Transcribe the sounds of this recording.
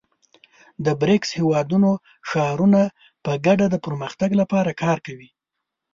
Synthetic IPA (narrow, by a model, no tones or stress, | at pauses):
d̪əbɾɪkshewɑd̪uno | ʃɑɾuna | pəɡaɖad̪əpəɾməxt̪aɡlapɑɾakɑɾkawi